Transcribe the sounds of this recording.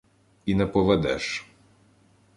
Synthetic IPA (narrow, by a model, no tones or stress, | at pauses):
inɛpɔʋɛd̪ɛ̰ʃ